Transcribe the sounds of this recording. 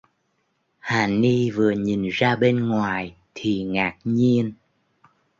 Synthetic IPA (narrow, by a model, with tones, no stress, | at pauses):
haː˨˩ni˧vɨ˨˩əɲi˨˩nzaː˧ɓe˧nŋwaː˨˩j | t̪ʰi˨˩ŋaː˨˩k̚ɲi˧ən